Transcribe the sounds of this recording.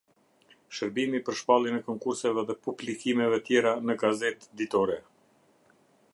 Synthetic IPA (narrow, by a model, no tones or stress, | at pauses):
ʃəɾbimipəɾʃpalˠinɛkɔŋkuɾsɛvɛðɛpublikimɛvɛt̪jɛɾanəɡazɛt̪d̪it̪ɔɾɛ